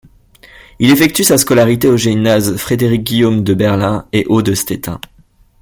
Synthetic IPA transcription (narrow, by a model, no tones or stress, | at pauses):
ilefɛk̚t̪ysaskɔlaʁit̪eoʒinazfχed̪eʁik̚ɡʲijomd̪əbɛʁlɛ̃eʔod̪əst̪et̪ɛ̰̃